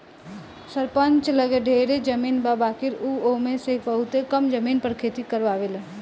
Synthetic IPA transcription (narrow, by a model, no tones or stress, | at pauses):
sɐɾpə̃ɲt͡ʃləɡeɖʱeːɾed͡ʒəmiːnbaːbaːkɪɾuːoːmẽsebɐɦʊt̪ekɐmd͡ʒɐmiːnpəɾkʰeːt̪ikəɾʋaːʋel